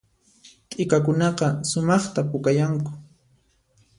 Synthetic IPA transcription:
t̪ʼɪkakʊnɑqɑsʊmɑχt̪apʊkajaŋkʊ̥

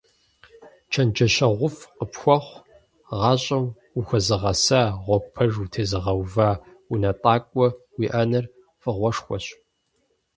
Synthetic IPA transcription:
t͡ʃʰɐnd͡ʒɐɕɐʁʷʊfqəpxʷɔχʷ | ʁɑːɕʼɐw | uxʷɐzɨʁɐsaːʁʷɔpʰɐʒutʰeːzɨʁɐwvaː | unɐtʼɑːkʷʼɔwiːʔɐnɐr | fɨʁʷɔʂxʷɔ̰ɕ

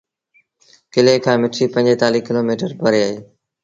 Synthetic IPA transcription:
kɪleːkʰãːmɪʈʰiːpə̃ɲd͡ʑeːt̪aːliːkɪloːmiːʈəɾpəɾeːaːɦeː

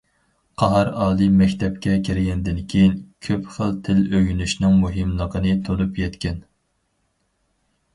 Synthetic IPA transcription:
qʰɑɦɑɾɑːlˠɨmɛkʲt̪ʰɛp̚kʲɛkʲʰiɾɪɡʲɛnd̪ɪnkʲʰejinkʲʰøpχəlt̪ʰɪløɡʲynyʃnɨŋmuɦɨmlˠəqənɨt̪ʰolˠupjɛt̪kʲɛn

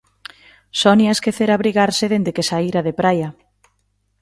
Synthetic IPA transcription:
sɔniaskeθeɾaβɾiɣaɾseðend̪ekesaiɾaðepɾajɐ

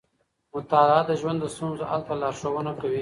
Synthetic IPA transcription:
mʊt̪ɑlad̪əʒwand̪ːəst̪unzoʔa̰lt̪alɑɾʂowənakawi

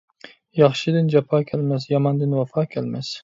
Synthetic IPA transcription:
jɑχʃɪd̪ɪnd͡ʒapʰɑːkʲʰalmasjɑmɑnd̪ɪnwafɑːkʲʰalmas

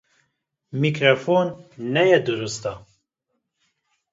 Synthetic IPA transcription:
mikɾofoːnːɛjɛd̪ɨɾust̪a

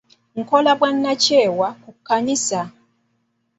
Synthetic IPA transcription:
ŋ̩kɔlabwan̩ːat͡ʃɛːwakukukanisa

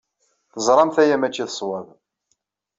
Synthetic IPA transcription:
θəzˤɾˤɑmθæjæmæt͡ʃːiθə̥sˤwɑð

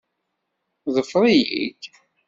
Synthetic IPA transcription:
ðˤəfɾˤijḭd̪

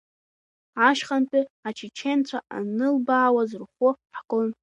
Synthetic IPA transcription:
aʃχanpʼiat͡ʃʰit͡ʃʰent͡ɕʷʰaʔa̰nɨlbaːwazɨrχʷʊħkʼon

